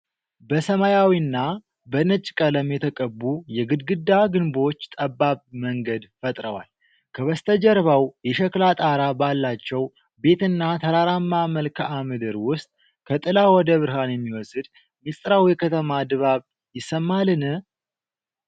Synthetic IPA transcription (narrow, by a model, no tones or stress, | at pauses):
bəsəmajawinːa | bənət͡ʃʼkʼələmjɛt̪ʰəkʼəbːujɛɡɨd̪ɡɨd̪ːaɡɨnbo̞t͡ʃːt̪ʼəbːaβməŋɡəd̪fət̪ʼɾəwa̰l | kʰəβəst̪ʰəd͡ʒəɾβawjɛʃɛklat̪ʼaɾabalːat͡ʃːɛw | be̞t̪ɨnːat̪ʰəɾaɾamːaməlkʰəʔamɨd̪ɨɾwʊst̪ʼ | kʰət̪ʼɨlawɔd̪əβɨɾɦanjɛmːiwɔsɨd̪ | mist̪ʼɾawjɛkʰət̪ʰəmad̪ɨβaβ | jɪsːəmːalɨnɨ